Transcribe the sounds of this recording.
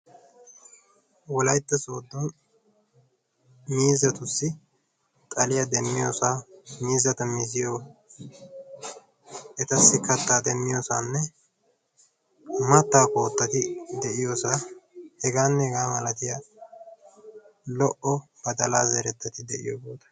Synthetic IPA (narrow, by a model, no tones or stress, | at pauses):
wɔlɐjt̪ːɐsoːd̪ːɔn | miːzɐt̪ʊsːɪ | t̪ʼɐlɪjɐd̪ɛmːɪjo̰ːsaːmiːzɐt̪ɐmɪzɪjoː | ɛt̪ɐsːɪkɐt̪ːaːd̪ɛmːɪjoːsaːnːɛ | mɐt̪ːaːko̞ːt̪ːɐt̪ɪd̪ɛʔɪjoːsaːhɛɡaːnːɛhɛɡaːmɐlɐt̪ɪjɐ | lɔʔɔbɐd̪ɐlaːzɛɾɛt̪ːɐt̪ɪd̪ɛʔɪ̰jo̰boːt̪ɐ̥